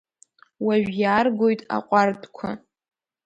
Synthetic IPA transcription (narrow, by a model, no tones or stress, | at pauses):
waʒᶣjaːrɡo̞jtʼa̰qʷʼardʼkʷʰa̰